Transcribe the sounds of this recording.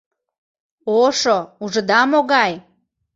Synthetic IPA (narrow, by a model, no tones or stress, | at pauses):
oʃouʒə̆d̪ɑmoɣɑj